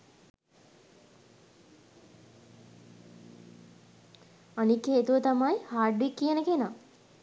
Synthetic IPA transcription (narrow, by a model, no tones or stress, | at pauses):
anikːeːt̪uʋət̪amajhaːɖuikːijənəkena